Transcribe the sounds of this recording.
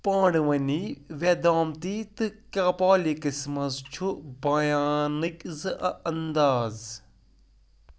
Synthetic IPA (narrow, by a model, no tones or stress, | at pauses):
pãːɽʋɐniʋed̪aːmt̪it̪ɨkapaːlikɨsmɐzt͡ʃʰubɐjaːnɨkzɨʔɐɐnd̪aːz